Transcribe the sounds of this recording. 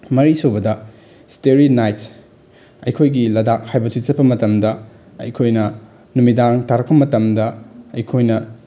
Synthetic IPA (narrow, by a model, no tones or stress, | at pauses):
mɐɾisobɐdɐ | steɾinajts | ɐjkʰojɡilɐdak̚hajbɐsit̚t͡ʃɐt̚pɐmɐtɐmdɐ | ɐ̰jkʰojnɐ | numidaŋtaɾɐk̚pɐmɐtɐmdɐɐjkʰojnɐ